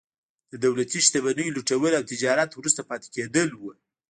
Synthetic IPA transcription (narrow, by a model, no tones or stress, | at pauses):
d̪əd̪awlat̪iʃt̪aβanəjoluʈawəlawt̪ɪd͡ʒɑɾat̪wɾust̪apɑt̪e̥ked̪əlwə